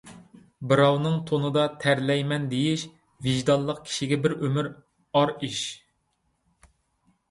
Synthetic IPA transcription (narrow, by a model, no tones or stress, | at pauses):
bɨɾɑwnɨŋt̪ʰonɨd̪ɑt̪ʰæɾlɛjmɛnd̪ejiʃ | viʒd̪ɑlˠːəq̚kʲʰi̥ʃiɡʲɛbɪɾømyɾ | ɑɾiʃ